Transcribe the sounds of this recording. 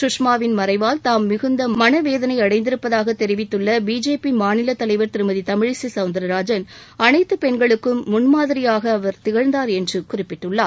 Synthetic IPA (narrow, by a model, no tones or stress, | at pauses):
sʊʂmaːʋɪnmɐɾɐɪʋaːlt̪aːmːɪɣɯnd̪ɐmɐnɐʋeːðɐnɐɪɐɽɐɪnd̪ɪɾɯpːɐðaːɣɐt̪ːɛɾɪʋɪt̪ːɯɭːɐbiːd͡ʒeːpimaːnɪlɐt̪ːɐlɐɪʋɐɾt̪ɪɾɯmɐðit̪ɐmɪɻɪsisɐʊnd̪ɐɾɐɾaːd͡ʒɐn | ɐnɐɪt̪ːɯpɛɳɡɐɭɯkːɯmːʊnmaːðɪɾɪjaːɣɐːʋɐɾt̪ɪɣɐɻnd̪aːɾɛndrɯkʊrɪpːɪʈːɯɭːaːɾ